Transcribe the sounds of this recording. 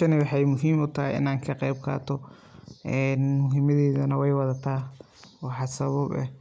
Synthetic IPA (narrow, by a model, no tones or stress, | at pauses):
ɐnɪwɑħɑjmʊɦiːmʊt̪ʰɐɦɪ̰ɪ̰naːŋkʰɐqɛjb̚kʰa̰ːt̪ʰɔ | ʔɛnmʊɦiːmɐðɛːðɐnɐwɛjwɑðɐt̪ʰaː | ɔːħɑsɐβɐbɛ̰